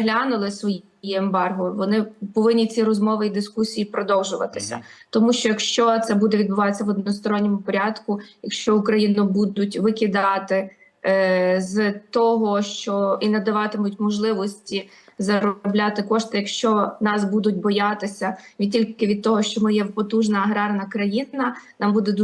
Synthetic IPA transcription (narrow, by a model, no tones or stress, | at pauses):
ɦlʲɑnʊlˠɪsʋɔj | iembɑrɦʊʋɔnɪpɔʋɪnʲːit͡sʲiɾɔzmɔʋɪid̪ɪskusʲijipɾɔd̪ɔwʒʊʋɐ̰t̪ɪ̥sʲɐ̰t̪ɔmuʃt͡ʃɔjɐkʃt͡ʃɔt̪sɛbud̪ɛʋʲid̪̚bʊʋɑt̪esʲːɐʋɔd̪nɔɔst̪ɔɾɔnʲːɔmʊpɔɾʲɑd̪kʊjɐkʃt͡ʃɔʊkɾɐjinʊbud̪ʊtʲʋɪkʲɪd̪ɑt̪ɪ | zt̪ɔɦɔʃt͡ʃɔinɐd̪ɐʋɑt̪ɪmʊtʲmɔʒlˠɪʋɔsʲtʲi | zɐɾɔblʲɑt̪ɪkɔʃt̪ɪjɐkʃt͡ʃɔnɑsbud̪ʊt̚ʲbɔjɑt̪ɪsʲɐʋʲid̚ʲtʲilʲkɪʋʲid̪̚t̪ɔɦɔʃt͡ʃɔmɪjɛwpɔt̪uʒnɐːɦɾɑrnɐkɾɐjinɐnɑmbud̪ɛd̪u